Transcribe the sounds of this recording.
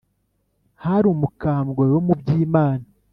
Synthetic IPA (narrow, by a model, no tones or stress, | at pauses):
haɾumukaːmɡojo̞mubɟiːmaːna